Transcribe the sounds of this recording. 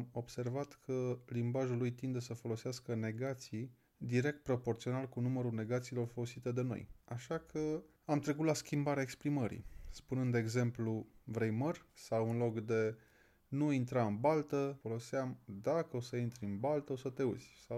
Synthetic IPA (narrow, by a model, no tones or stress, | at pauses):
mo̞bse̞rvat̪kʰəlimbaʒulujt̪ind̪esəfo̞lo̞seaskəne̞ɡat̪sij | d̪iɾe̞k̚t̪̚pɾo̞po̞rtsio̞nalkunuməɾune̞ɡat̪siːlo̞rfo̞lo̞sit̪e̞d̪e̞no̞̰jaʃakʰə | amt̪ɾe̞k̬ut̪laskʲimbaɾeaekspɾiməɾḭspunɨnd̪eɡze̞mpluvɾe̞jmərʲsawunlo̞kd̪e̞ | nuint̪ɾaɨnbalt̪əfo̞lo̞seamd̪akəo̞səint̪ɾʲɨnbalt̪əo̞sət̪e̞ṵzʲsaw